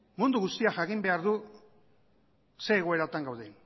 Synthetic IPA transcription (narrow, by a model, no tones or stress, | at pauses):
mund̪uɣust̪iaʝakimbe̞aɾðu | se̞ːɣ̞o̞e̞ɾat̪aŋɡawðen